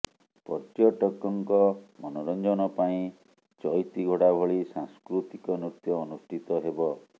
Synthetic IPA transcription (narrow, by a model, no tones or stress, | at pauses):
pɔtjɔʈɔkɔŋkɔmɔnɔɾɔnd͡ʒɔnɔpaĩ | t͡ʃɔjt̪iɡʱɔɽabʱɔɭisaŋskɾut̪ikɔnut̪jɔːnusʈʰit̪ɔɦebɔ